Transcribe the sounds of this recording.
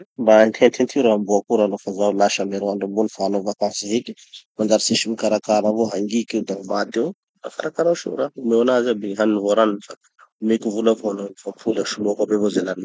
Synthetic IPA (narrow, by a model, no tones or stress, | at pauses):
bant̪ʰent̪ʰent̪ʰiuɾambuakuɾanofazalaʃameɾoaɳɖ͡ʐumbonifaanovakansaɦeki̥mand͡ʒaɾisiʃimikaɾakaɾavoɦaŋɡikewd̪amad̪ew | a̰kaɾakaɾauʃṵɾaumewanazabeɦaninivoɾaninifa | umekivulafonaifapʰulaʃuluakabevozelani